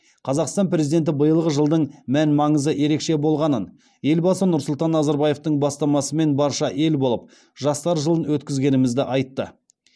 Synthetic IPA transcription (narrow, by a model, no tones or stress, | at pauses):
qʰɑzɑqst̪ɑnpɾe̞zid̪ʲe̞nt̪̬ɪbəjəlˠʁəʒəlˠd̪əɴmænmɑɴəzəje̞ɾe̞kʃe̞bo̞lˠʁɑnən | je̞lbɑsənʊɾsʊlˠt̪ɑnːɑzɑɾbɑje̞ft̪əɴbɑst̪ɑmɑsəme̞nbɑɾʃɑʔe̞lbo̞lˠəp̚ | ʒ̥ɑst̪ɑɾʒəlˠənwɵt̪kʲɪzɡʲe̞nɪmɪzd̪ɪʔɑjt̪ːə